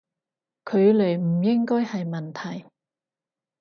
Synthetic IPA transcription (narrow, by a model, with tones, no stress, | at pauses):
kʰɵ˨˧ɥle˨˩jm̩˨˩jɪ˥ŋkɔː˥jhɐ˨jmɐ˨˩nt̪ʰɐ˨˩j